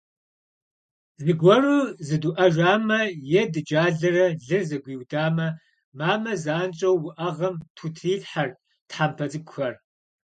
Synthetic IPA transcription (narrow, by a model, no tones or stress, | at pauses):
zɨɡʷɔruːzɨduʔɐʒʷaːmɐjɛdɨd͡ʒaːɮɐrɐɮɨrzɐɡʷiːwdaːmɐ | maːmɐzaːnt͡ʃʼɐwːʊʔɐʁɐmtʰutʰiːɮħar | tħampʰɐt͡sʼɨkʷxɐr